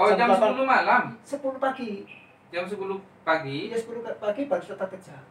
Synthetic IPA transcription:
ɔd͡ʒamasəpulumalamsəpulupaɡ̥i | d͡ʒams̬əpulu | paɡijasəpulukpaɡ̥ib̥aɾʊsət̪akə̥d͡ʒ̥aʔ

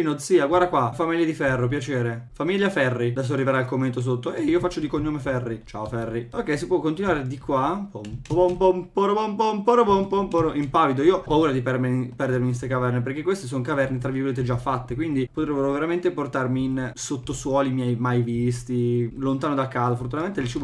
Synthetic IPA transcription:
inod̪siːaɡward̪akwafamiʎːjed̪ifɛrːop̬jat͡ʃeːɾefamiʎːjafɛrːid̪ɛs̬oarːiveɾailkomːent̪os̬ot̪ːoeiːofat͡ʃːod̪ikoɲːomefɛrːit͡ʃa̰ːofɛrːiokːɛjs̬ipwɔkːont̪̬inwaːɾed̪ikwapompobompompoɾobompompoɾobompompoɾoʔimpavid̪oiːopauːɾad̪ipɛrmepɛrd̪eɾmikest̪ekavɛrnep̬eɾrkekwest̪es̬onkavɛrnet̪ɾaviɡoleːt̪̬ed͡ʒafːat̪ːekwind̪ipot̪ɾebːeɾoveɾament̪eport̪armiːnsot̪ːoswɔːlimjɛjmajvist̪ilont̪aːnod̪akːaːzofort̪̬untament̪eilt͡ʃiv

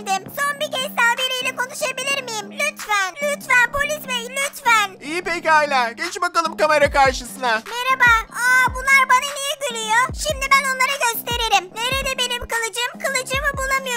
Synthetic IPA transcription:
d̪ɪmso̞nbicʲeʃsalbeɾejlʲɛko̞nuʃabilʲiɾmijimlʲyt̪vænlʲyt̪vænbolʲizmɛlʲyt̪væniːipecajlʲaːɟɛt͡ʃbakalˠɯmkame̞ɾakaɾʃɯsɯnameɾabaːabunlˠaɾbananijɛɟyɾʲijoʃimd̪ibæno̞nlˠaɾɯɟøst̪e̞ɾeɾimneɾed̪ɛbe̞nimkɯlˠɯd͡ʒɯmkʰɯlˠɯd͡ʒɯmɯbulˠamɯjo

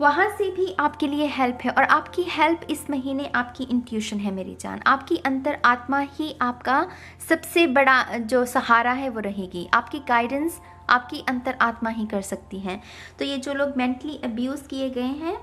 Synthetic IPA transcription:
ʋɐɦãsebʱiʔaːpkelieɦɛlpɦɛʔɔːɾʔaːpkihɛlpɪsmɐɦiːneʔaːpkiʔɪ̃ɳʈjuːʃənɦɛmeːɾḭd͡ʒa̰ːna̰ːpkiʔɐ̃nt̪əɾaːt̪mahiʔaːpka | sɐbsebɐɽad͡ʒoːsɐhaːɾaɦɛʋoɾɐɦeːɡiʔa̰ːpkiɡaːɪɖə̃ns | ʔa̰ːp̚kiʔɐ̃nt̪əɾʔaːt̪maɦikɐɾsɐk̚t̪iɦɛ̃ː | t̪oːjed͡ʒoːloːɡmɛ̃ɳʈliʔɐbjuːzkieɡɐeɦɛ̃ː

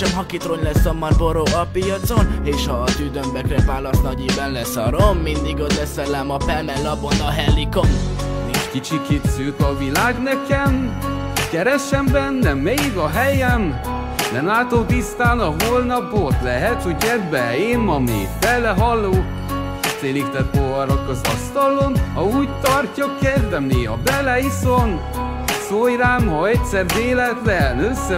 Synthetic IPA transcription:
ʃɛmɦɒkit̪roɲlɛsːomːɒrboɾoːʔɒpijɒt̪so̞neːʃhɒːt̪yːd̪ømbɛkrɛvaːlːɒst̪nɒɟibɛnlɛsɒɾomːind̪iɡot̪bɛsɛlɛmɒpɛlmɛlːɒbonɒɦɛlːikom | eːʃkit͡ʃiket̪søːt̪ɒvilaːɡnɛkɛm | kɛɾɛʃːɛmbɛnːɛmeɡɒɦɛjɛm | nɛmlaːt̪op̪ist̪aːnɒɦolnɒpot̪lɛɦɛt̪hoɟɛd̪bɛeːnmɒmḛːfɛlːɛɦɒlːoːk | t̪seːlikt̪ɛt̪̚povɒɾokɒzɒ̰st̪ɒlonhɒuːɟt̪ɒrcːɒkːerd̪ɛmneɒ̰bɛlɛison | sojraːmhɒɛtʲsɛrd̪eːlɛt̪lɛnøsːɛ

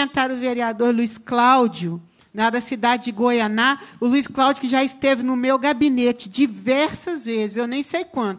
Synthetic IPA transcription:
ẽnt̪aɾʊveɾiad̪oɾluisklawd͡ʒjʊ | nɐd̪ɐsid̪ad͡ʒɪd͡ʒɪɡojanaʊluisklawd͡ʒʊkɪʒaɪst̪evɪnʊmewɡabinet͡ʃɪd͡ʒivɛɾsɐzvezɪzewnẽj̃sejkwɐ̃nt̪

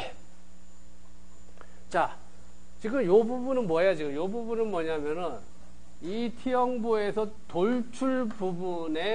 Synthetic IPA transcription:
t͡ɕa | t͡ɕiɡɯmjobubunɯnmwʌɦjad͡ʑiɡɯmjobubunɯnmwʌɲamjʌnɯn | itʰijʌŋbue̞sʰʌ | toɭt͡ɕʰuɭbubu | ne̞

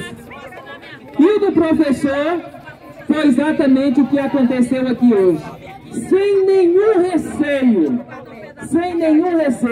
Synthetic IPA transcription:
iʊd̪ʊpɾofesoɾ | fojizat̪ɐmẽnt͡ʃ̪ɪʊkɪakõnt̪esewakioʒɪ | sẽj̃nẽɲũhesẽɲʊ | sẽj̃nẽɲũhese

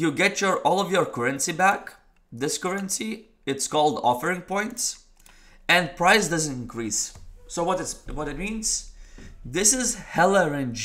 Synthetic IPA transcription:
jɨɡɛt͡ʃə˞ʔɔlˠɔvjə˞kʰɜɹɨ̃nsibæk | ðɪskɜɹɨ̃nsi | ɨtskɔlˠdɔ̰fə˞ɪ̃ŋpʰɔ̃ɪ̃nts | ɨ̃npʰɹaɪsdʌzə̃ntɪ̃nkʰɹisːoʊwʌɾɨwʌɾɨt̚mĩnz̥ | ðɪsɪzhɛlˠəɹɨ̃nd͡ʒ

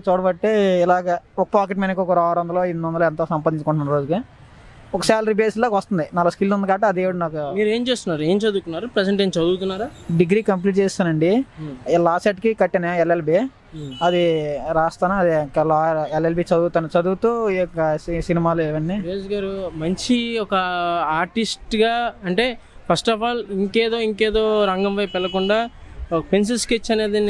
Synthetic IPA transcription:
t͡ʃoːɽɐbɐʈːeːilaːɡɐɔkɐpaːk̬eʈmenɐkɔkuɾaːɾɐnd̪ɐlo̞ːinɐnd̪ɐloɛnt̪oːsɐmpad̪iɲt͡ʃɐkuɳʈːunːɐɾoːd͡ʒuki | ɔkɐsaːlɐɾibeːsloːkʋɐst̪und̪inaːlːɐskilsund̪ɐkaːʈeɐd̪eːʋuɽɐnaːkumiːɾe̞ːmt͡ʃeːst̪unːaːɾue̞ːmt͡ʃɐd̪uːk̪unːaːɾupɾed͡ʒɐɳʈent͡ʃɐd̪uːt̪unːaːɾaːɖiɡɾiːkɐmp̬liːʈt͡ʃeːst̪aːnɐɳɖiɛlːaːsɐʈkikɐʈːinɐelelbi | ɐd̪iɾaːst̪aːnɐɐd̪ilaelelbit͡ʃɐd̪uːt̪aːnɐt͡ʃɐd̪uːt̪uɔkːɐssinimaːlɛːʋɐnːiɾeːd͡ʒɡaːɾumɐɲt͡ʃiɔkɐaːɾʈisʈɡaːɐɳʈe̞ːpʰɐsʈɐpaːliŋkeːd̪o̞ːiŋkeːd̪o̞ːɾɐŋɡɐmpɐjpɛlɐkuɳɖaːpens̬ilsket͡ʃːɐne̞ːd̪i

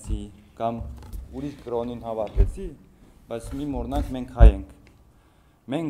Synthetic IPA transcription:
t͡sʰi | kɑmuɾiskɾɔninhɑvɑɾt̪ɛt͡sʰib̥ɑjt͡sʰmimɔɾnɑŋkʰmɛŋkʰhɑjɛŋkʰ | mɛŋk

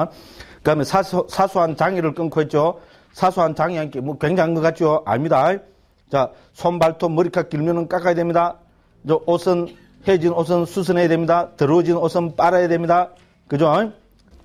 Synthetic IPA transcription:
kɯamesʰaosʰasʰoɦant͡ɕaŋiɾɯɭk͈ɯnkʰoɦet̚t͡ɕ͈o | sʰasʰoɦant͡ɕaŋiɦankemʌkweŋd͡ʑaŋɡɯkat͡ɕʰijoʔa̰ɭmɲida | t͡ɕa | sʰombaɭtʰomɯɾikʰakiɭmjonɯnk͈ak͈ajedwemɲida | d͡ʑoʔosʰɯn | hed͡ʑinos̬ʰɯnsʰus̬ʰɯnejadwemɲidat̪ɯɾd͡ʑinosʰɯnp͈aɾajadwemɲida | kɯd͡ʑo

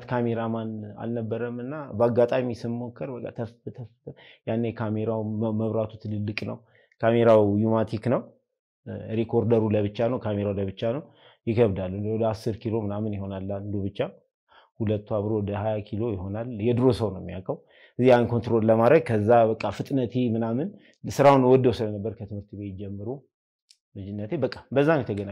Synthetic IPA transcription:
t̪kʰame̞ɾamana̰lnəbːəɾəmɨnːabəaɡːat̪ʼamisɨnmo̞kʰːəɾbəkʼːa̰t̪ʰəft̪ʰəfjanːəjɛkʰame̞ɾawməβɾat̪ʰut̪ʰɨlɨlːɨkʼnəw | kʰame̞ɾawjumat̪ʰiknəw | ɾekʰo̞ɾd̪əɾuləβɨt͡ʃːanəwkʰame̞ɾawləβɨt͡ʃːanəw | jɪkʰəβd̪alːunwɔd̪əasːɨɾkʰilo̞mɨnamɨnjɪho̞nalːand̪oβɨt͡ʃːa | hulət̪ːuaβɾo̞wɔd̪əhajakʰilo̞jɪɦo̞naljɛd̪ɾo̞səwnəwmːijakʼəw | ɨziankʰo̞nt̪ɾo̞lləmad̪ɾəɡ̚kʰəzːabəkʼːafɨt̪ʼnət̪ʰemɨnamɨn | sɨɾawnwɔd̪ːəwsɨlənəbːəɾkʰət̪ʰɨmhɨɾt̪ʰbet̪d͡ʒɛmːɨɾu | mɨd͡ʒɪnːət̪ʰebəkʼːabəzːanjɛt̪ʰəɡəna

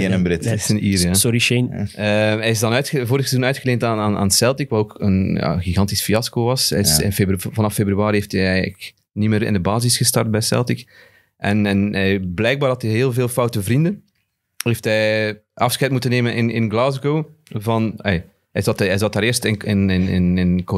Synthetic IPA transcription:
ɪnəmbɾɪtsəniːɾjasɔɾiʃenəɦɛjɪzdɑnœɥtxəvoːɾəxsəzuːnœɥtxəleːntanaːna̰ːnsɛlˠtikʋaɾoːkə̰nja̰ːɣiɣɑntisfiɑskoʋɑsɛɪsɪ̰nfebvɑnɑfebryaːɾiɦeftɛjɛjɣələ̰k | nimeːɾɪ̰ndəbaːzɪsxəstɑrt̚bɛjsɛ̰lˠtik | ʔɛnɛnɛjblɛjɡ̚baːdɑtɦɛɦeːlˠveːlˠfɔwtəvrindən | ɦeːftɦɛjʔɑfsxɛjt̚mutəneːmənʔɪnɪnɡlaːzɡowvɑnɛj | ɛjzɑtɛjzɑtaːɾɪːrstɪnɪnɪnɪnɪnko

